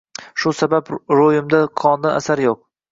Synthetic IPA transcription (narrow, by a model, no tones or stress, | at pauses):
ʃʊsabapɾojɪmd̪aqʰɒnd̪ana̰saɾjoq̚